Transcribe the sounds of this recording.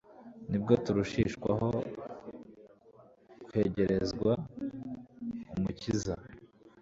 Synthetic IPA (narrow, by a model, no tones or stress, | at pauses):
nibɡo̞tuɾuʃiːʃkwa̰ɦo̞ | kwhe̞ːɟe̞ɾe̞zɡwa | umuciza